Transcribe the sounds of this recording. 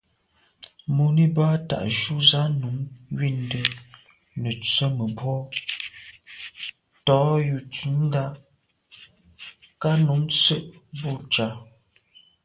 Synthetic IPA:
mo˨ni˦ba˦ta̰˨ʔʃu˦za˦nu˨˦ŋɥi˦˨ndə˦ | nə˨t͡sə˦mə˨bwɔ˦ | tɔː˨˦ju˨t͡sʉ˨˦n˦da˦ | ka˦nu˨˦mt͡sə˦ʔbo˦˨t͡ʃa˨˦

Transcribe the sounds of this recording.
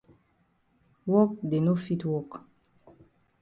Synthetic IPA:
wɔ˦k̚de˨no˦fi˦twɔ˦k

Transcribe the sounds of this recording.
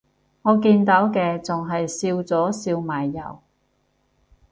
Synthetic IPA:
ŋɔː˨˧kiː˧nt̪ɐː˨˥wkɛː˧t͡sʊ˨ŋɦɐ˨jsiː˧wt͡sɔː˨˥siː˧wmaː˨jːɐ̰˨˩w

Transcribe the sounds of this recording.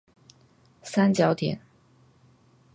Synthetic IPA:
sa˥nt͡ɕjɑ˧˥ʊt̪ʰjɛ̰˨˩˦n

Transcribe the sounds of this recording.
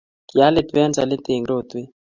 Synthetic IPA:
ki˨a˦le˨t̪we˦a˦nt͡sa̰˨lɪ˦t̪e˨ŋɡɾo˦˨t̪we˦

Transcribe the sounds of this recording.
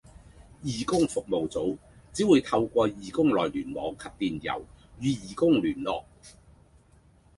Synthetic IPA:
jiː˨kʊ˥ŋfʊ˨k̚mo˨wt͡so˨˥wt͡siː˨˥wuː˨˧jt̪ʰɐ˧wkʷɔː˧jiː˨˩kʊ˥ŋlɔː˨˩jlyː˨˩nmɔː˨˥ŋkʰɐ˧p̚t̪iː˨njɐ̰˨˩wjyː˨˧jiː˨˩kʊ˥ŋlyː˨˩nlɔ̰ː˨k̚

